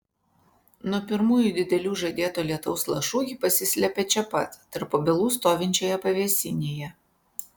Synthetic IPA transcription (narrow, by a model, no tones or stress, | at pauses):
nuɔpʲɪɾmuːjuˑd̪ʲɪd̪ʲɛlʲuːʒɐd̪ʲeːt̪oːlʲiɛt̪ɔʊslˠɐʃuːɡʲɪpɐsʲɪsʲlʲɛpʲɛt͡ʃʲɛpɐt̪ːɐɾpobʲɛlˠuːst̪oːʋʲɪnʲt͡ʃʲoːjɛpɐʋʲɛsʲɪnʲeːjɛ